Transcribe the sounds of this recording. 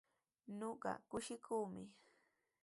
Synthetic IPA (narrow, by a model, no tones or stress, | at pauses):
ɲoɢɑ̰kʊʃɪkʰuːmɪ